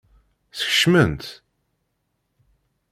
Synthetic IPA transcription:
θə̥çə̥ʃmənt̪

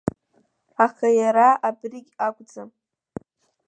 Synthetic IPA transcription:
aχajaɾaʔabriɡʲakʷʼd͡zam

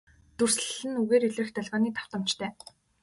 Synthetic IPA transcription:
t̪ur̥sɮɘ̆nuɣeːɾiɮrɘ̆xt̪ʰœɮʁɔːniːt̪ʰawt̪ə̆m̥t͡ɕt̪ʰœː

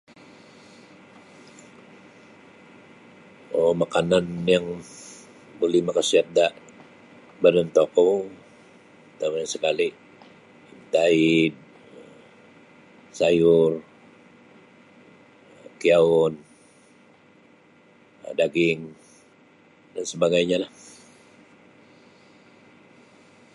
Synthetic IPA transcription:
omakananjaŋ | bolihmakasiat̪̚daʔ | badənt̪oko | t̪amanasəkaliʔ | imt̪aid̚ | sajʊr | kiaʊn | daɡɪŋ | dansəbaɡajɲalah

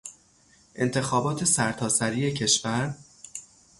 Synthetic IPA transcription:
ʔe̞̰nt̪ʰe̞xɒːbɒːt̪ʰe̞sæɾt̪ʰɒːsæɾiːe̞cʰe̞ʃvæɾ

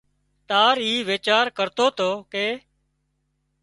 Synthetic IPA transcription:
t̪aːɾiːʋeːt͡ʃaːɾkəɾt̪oːt̪oːkeː

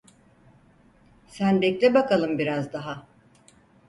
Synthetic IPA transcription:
sænbɛclʲɛbakalˠɯmbiɾazd̪aɦa

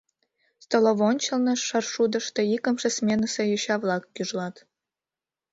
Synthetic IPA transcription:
st̪oloβont͡ɕəlnəʃɑrʃud̪ə̆ʃt̪ĕikə̆mʃĕsmʲenəsĕjoɕɑβlɑkːyʒlɑt̪

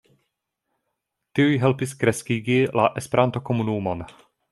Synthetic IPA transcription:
t̪iujɦɛlpiskɾɛskiɡilʔaʔɛspɛɾant̪okomunuːman

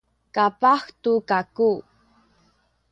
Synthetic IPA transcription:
kapaxtukaku

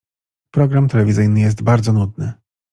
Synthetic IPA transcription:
pɾɔɡɾamt̪ɛlɛvʲizɘjnɘjɛs̬t̪baɾd̪zɔnud̪̚nɘ

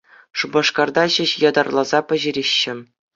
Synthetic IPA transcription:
ʂubɑʂkɑrd̪ɑʑɘ̆ɕjɑd̪ɑrlˠɑzɑpʲɘ̆ʑiɾʲeɕːɘ̆

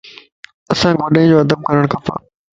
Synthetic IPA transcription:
ɐsãːɡoɗĩd͡ʑoːɐd̪əb̚kɐɾəɽ̃kʰɐpa̰ː

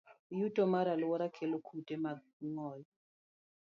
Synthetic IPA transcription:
jutʼɔmaɾalʊwɔɾakʰɛlɔkʰutʼɛma | ŋɔːjɔ

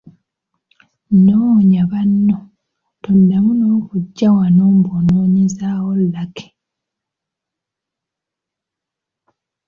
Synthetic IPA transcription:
noɲaβanːo | tondamuno̞ːkuɟːawanoːmbonoːɲezaːwolːake̥

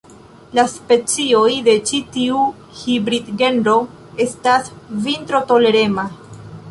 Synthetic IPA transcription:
laspe̞t͡sio̞jde̞t͡ʃitiu | hibɾidɡe̞nɾo̞ | e̞stasvintɾo̞to̞le̞ɾe̞ma

